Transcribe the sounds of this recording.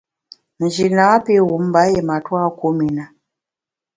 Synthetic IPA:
n̩˨d͡ʒi˨naː˨˦pe˦˨ɣu˨˦m˦ba˨˦je˨ma˨twa˦ku˦mi˨na˨

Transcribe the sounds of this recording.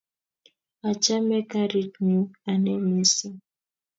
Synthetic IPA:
a˨t͡ʃa˦mɛ˦ka˦ɾi˦tnu˦a˨nɛ˦me˦si˦

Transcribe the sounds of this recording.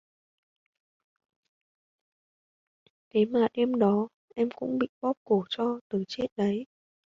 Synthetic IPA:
k̪ʰe˨˦maː˨˩ɗe˧mɗɔ˨˦ | ʔɛ˧mkʊ̰˧˥ŋ͡mɓḭ˧˨ɓɔ˦˥p̚ko˧˩t͡ɕɔ˧t̪ɨ˨˩t͡ɕe˦˥t̚ɗə˨˦j

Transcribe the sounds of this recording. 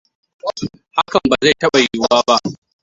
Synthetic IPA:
ha˦kɐ˨mbaː˨za˦˨jtɐ˦ɓa˨jʊ˨˦waː˦ba˦ʔ

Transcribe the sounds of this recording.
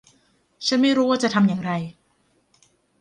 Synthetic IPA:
t͡ɕʰa˦˥nma˥˩jɾuː˦˥waː˥˩t͡ɕa˨˩t̪ʰa˧mjaː˨˩ŋɾa˧j

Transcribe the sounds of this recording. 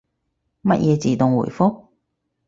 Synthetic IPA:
mɐ˦˥t̚jʔɛː˨˧t͡siː˨t̪ʊ˨ŋwṵ˨˩jfʊ˥k̚

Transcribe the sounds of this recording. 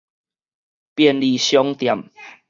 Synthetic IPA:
pjɛ˨nli˨ɕjɔ˦ŋt̪ja˨˩m

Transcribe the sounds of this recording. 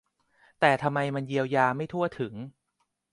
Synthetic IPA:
t̪ɛː˨˩t̪ʰa˧mːa˧jma˧nji˧əwjaː˧ma˥˩jt̪ʰu˥˩ət̪ʰːɯ˩˦ŋ

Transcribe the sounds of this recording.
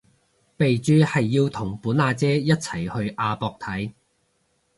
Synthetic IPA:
pe˨jt͡ʃyː˨˥hɐ˨jːiː˧wt̪ʰʊ˨˩ŋpuː˨˥naː˧t͡sɛː˥jɐ˥t̚t͡sʰɐ˨˩jhɵ˧ɥʔaː˧pɔː˧k̚t̪ʰɐ˨˥j

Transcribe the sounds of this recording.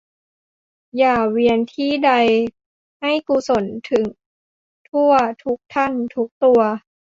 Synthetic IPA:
jaː˨˩wi˧ənt̪ʰiː˥˩da˧j | ha˥˩jkuː˧so˩˦nt̪ʰɯ˨˩˦ŋ | t̪ʰu˥˩ɐt̪ʰu˦˥k̚t̪ʰa˥˩nt̪ʰu˦˥k̚t̪u˧ɐ

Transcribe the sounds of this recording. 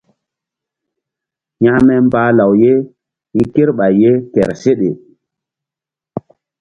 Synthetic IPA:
ɲa˦mɛ˦m˦baː˦la˨wje˦ | i˦ke˦ɾɓa˨jːe˦kɛ̰˨ɾse˦ɗe˨

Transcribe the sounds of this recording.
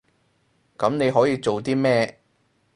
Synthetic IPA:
kɐ˨˥mne˨˧jɦɔː˨˥jiː˨˧t͡so˨wt̪iː˥mɛː˥˧

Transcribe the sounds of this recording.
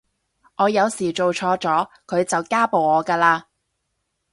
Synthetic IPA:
ɔː˨˧jɐ˨˧wsiː˨˩t͡ʃo˨wt͡ʃʰɔː˧t͡sɔː˨˥ | kʰɵ˨˧ɥt͡sɐ˨wkaː˥po˨wɔː˨˧kaː˧laː˧

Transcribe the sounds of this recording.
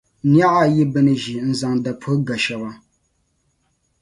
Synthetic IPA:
nja˦ʔa˦˨ji˦bɛ˦nɨ˨ʒi˨˦n̩˨za˨ŋda˨pʰə˦ɡa˨ʃa˨wa˨

